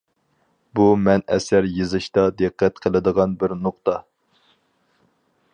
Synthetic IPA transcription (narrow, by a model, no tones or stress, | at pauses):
bumɛnɛ̰sæɾjɨzɨʃt̪ɑd̪ɨqːɛt̪qʰəlˠɨd̪əʁɑnbɪɾnʊq̚t̪ɑ